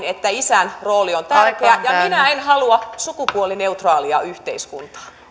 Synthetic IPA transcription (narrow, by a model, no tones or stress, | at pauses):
net̪ːæisænroːliont̪ærkeɑjɑminæenhɑluɑsukupuolineut̪rɑːliɑyht̪eiskunt̪ɑ̥